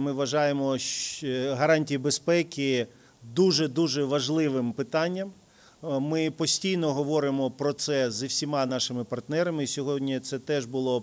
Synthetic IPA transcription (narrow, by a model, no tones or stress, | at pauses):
mɪʋɐʒɑjemɔʃɦɐɾɑnʲtʲijibespɛkʲɪ | d̪uʒɛd̪uʒɛʋɐʒlˠɪʋɪmpɪt̪ɑnʲːɐm | mɪpɔsʲtʲijnɔɦɔʋɔɾɪmɔpɾɔt̪sɛzɐwsʲimɑnɑʃɪmɪpɐrt̪nɛɾɐmɪsʲɔɦɔdʲnʲit̪sɛt̪ɛʒbʊlˠɔ